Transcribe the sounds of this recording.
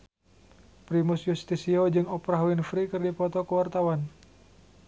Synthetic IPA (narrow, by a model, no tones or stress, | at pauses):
pɾimʊsjust̪isiod͡ʒɨŋɔpɾaɦuinfɾikɨrdipɔt̪ɔkəwart̪awan